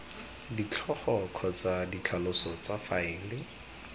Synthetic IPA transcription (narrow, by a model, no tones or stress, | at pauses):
dit͡ɬʰɔχɔkʰɔt͡sadit͡ɬʰalʊsɔt͡safaɪlɪ